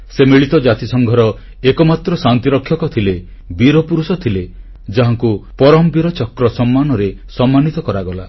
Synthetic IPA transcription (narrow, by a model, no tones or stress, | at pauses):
semiɭit̪ɔd͡ʒat̪isɔŋɡʱɔɾɔ | ekɔmat̪ɾɔsant̪iɾɔkʰːjɔkɔt̪ʰile | biɾɔpuɾusɔt̪ʰile | d͡ʒaɦaŋkupɔɾɔmbiɾɔt͡ʃɔkɾɔsɔmːanɔɾesɔmːanit̪ɔkɔɾaɡɔla